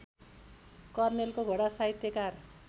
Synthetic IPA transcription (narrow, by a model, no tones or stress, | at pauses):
kʌrnelkoɡʱʌɽasaɦit̪jekar